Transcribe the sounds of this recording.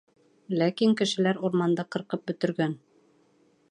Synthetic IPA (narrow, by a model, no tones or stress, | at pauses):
lækiŋkɘ̆ʃɘ̆læɾuɾmɑnd̪ɑqɤ̆ɾqɤp̚bɵ̆t̪ɘ̆ɾɡæn